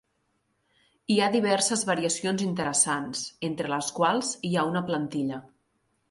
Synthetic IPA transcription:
iaðiβ̞ɛrsəzβəɾiəsionzint̪əɾəsansent̪ɾələskwalˠziaunəplənt̪iʎə

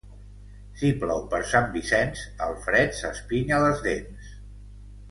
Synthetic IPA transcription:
simplɔwpəɾsambisɛnsəlˠfɾɛt̪səspiɲələzðens

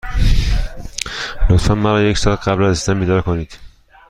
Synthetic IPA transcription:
lot̪fænmæɾɒːje̞csɒːlɢæblæziszænbiːd̪ɒɾkʰoniːd̪̥

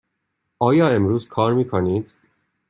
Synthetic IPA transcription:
ɒːjɒːe̞mɾuːzkʰɒːɾmiːkʰoniːd̪̥

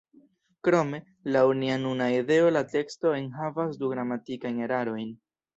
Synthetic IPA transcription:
kɾo̞me̞ | launianunaide̞o̞late̞ksto̞e̞nɦavasduɡɾamatikajne̞ɾaɾo̞jn

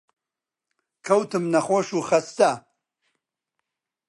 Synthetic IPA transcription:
kʰɐwt̪ʰɨmnɐχoʃuːxɐst̪a

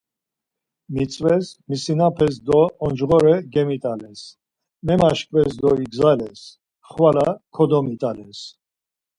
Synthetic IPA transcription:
mit͡sʼvɛsmisinapʰɛs̬d̪ɔɔnd͡ʒʁɔɾɛɡɛmit̪ʼalɛs | mɛmaʃkʼvɛsd̪ɔiɡzalɛs | χvalakʰɔd̪ɔmit̪ʼalɛs

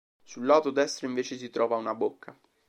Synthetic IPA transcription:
sulːaːt̪od̪ɛst̪ɾoiɱveːt͡ʃes̬it̪ɾɔːvaunabokːa

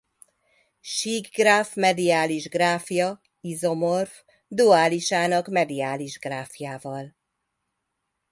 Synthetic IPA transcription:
ʃiːɡɡrafmɛd̪ijaːliʒɡraːfjɒ | izo̞morf | d̪uaːliʃaːnɒkmɛd̪ijaːliʒɡraːfjaːvɒl

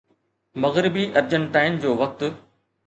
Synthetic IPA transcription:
mɐɣɾɪbiʔɐɾd͡ʑənʈaːɪnd͡ʑoːʋɐk̚t̪ʊ̆

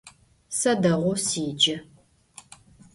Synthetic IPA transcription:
sɐdɐʁʷʊsiːd͡ʒɐ

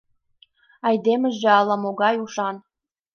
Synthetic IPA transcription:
ɑjd̪emə̆ʒĕɑlˠɑ̆moɡɑjuʃɑn

